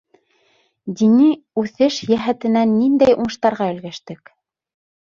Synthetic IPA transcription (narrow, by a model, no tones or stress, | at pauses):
d̪ini | ʉθɘʃjæɦæt̪ɘ̆nænːind̪æjuɴɤ̆ʃt̪ɑɾʁɑɵ̆lɡæʃt̪ɘk